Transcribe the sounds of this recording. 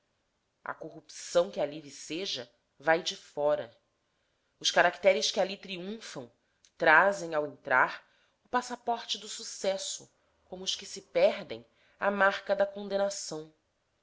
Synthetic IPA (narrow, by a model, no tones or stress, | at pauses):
ɐ̰koɦupsɐ̃w̃kɪaliviseʒɐ | vajd͡ʒɪfɔɾɐ̰ | ʊʃkaɾakt̪ɛɾɪskɪalit̪ɾiũfɐ̃w̃ | t̪ɾazẽj̃awẽnt̪ɾaɾ | ʊpasapɔɾt͡ʃɪd̪ʊsusɛsʊ | kõmʊʊʃkɪsɪpɛɾd̪ḛ̃j̃ | amaɾkɐd̪ɐkõnd̪enasɐ̃w̃